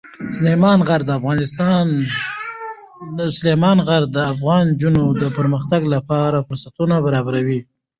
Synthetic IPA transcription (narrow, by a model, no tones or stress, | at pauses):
slemɑnɣaɾd̪əafɣɑnɪst̪ɑn | slemɑnɣaɾd̪əafɣɑnd͡ʒunod̪əpəɾməxt̪aɡlapɑɾafʊɾsat̪unabaɾɑbaɾawi